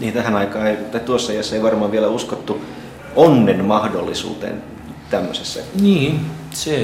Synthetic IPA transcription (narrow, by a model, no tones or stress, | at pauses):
niːnt̪æhænɑikɑːeit̪ɑit̪uosːɑiɑsːæeiʋɑrmɑːʋielæuskot̪ːu | onːenmɑhdolːisṵːt̪ḛn | t̪æmːø̰sesːæ̰niː | se